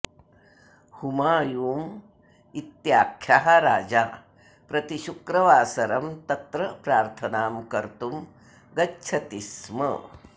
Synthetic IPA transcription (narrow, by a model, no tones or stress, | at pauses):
humaːjuːm | it̪jaːkʰːjaɦaɾaːd͡ʒaː | pɾɐt̪iʃukɾɐʋaːsɐɾɐmt̪ɐt̪ɾɐpɾaːɾt̪ʰɐnaːmkɐɾt̪um | ɡɐtːʃʰɐt̪ismɐ̰